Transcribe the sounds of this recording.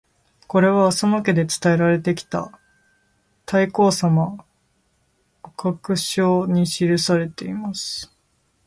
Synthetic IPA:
ko̞ɾe̞βaːsomake̞d̪e̞t͡sɨ̥t̪ae̞ɾaɾe̞t̪e̞kʲi̥t̪a̰ | t̪ʰaiko̞ːsama | okakɯ̟ɕo̞ːɲ̟iɕiɾɯ̟saɾe̞t̪e̞imasɨ̥

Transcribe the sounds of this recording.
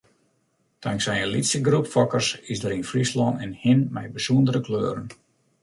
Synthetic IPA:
tʰaŋksɛjəlitsəɡrupfɔkərsɪsdəɾinfrislɔnɛnhɪnmɛjbəsuəndəɾəkløːɾən

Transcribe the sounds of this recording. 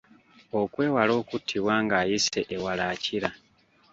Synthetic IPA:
o̞kwe̞ːwalo̞ːkutʰːiβwaːŋɡaːjise̞ʔewalaːciɾa

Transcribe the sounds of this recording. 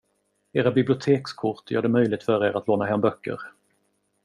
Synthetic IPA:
eːɾabɪblɪʊt̪ʰeːkskʰʊʈjœ̰ːɖɛmœjlɪɡ̚t̪fœɾeːɾat̪loːnaɦɛmbœkːə̰ɾ

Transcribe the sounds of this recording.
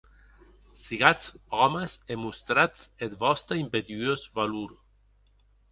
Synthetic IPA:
siɣat͡sɔmesemust̪ɾat͡set̪bɔst̪aimped̪iozvaluɾ

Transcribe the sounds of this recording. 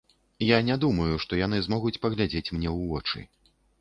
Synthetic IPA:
janʲad̪umɐjuʂt̪ɔjan̪ɨzmɔɣut͡sʲpɐɣlʲad͡zʲet͡sʲmnʲɛwvɔt͡ʂɨ̰

